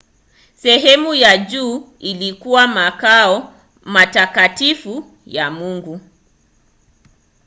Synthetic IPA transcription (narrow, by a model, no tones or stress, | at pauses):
sɛɦɛmujad͡ʒuː | ilikuwamakaɔ | matakatifu | jamuŋɡu